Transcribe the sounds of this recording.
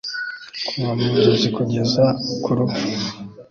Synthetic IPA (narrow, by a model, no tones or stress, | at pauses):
kumamuzozikuɟezakʰuɾuu